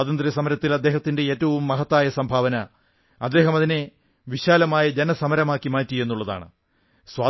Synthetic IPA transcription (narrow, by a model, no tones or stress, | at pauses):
aːt̪ɐnd̪rɐsɐmɐɾɐt̪ːilɐd̪ːe̞ːɦɐt̪ːinde̞eːtːɐʋumːɐɦɐt̪ːaːjɐsɐmbʱaːʋɐnɐ | ɐd̪ːe̞ːɦɐmɐðine | ʋiɕaːlɐmaːjɐd͡ʑenɐsɐmɐɾɐmaːkːimaːtːije̞nːuɭːɐða̰ːɳɨ̰ | swaː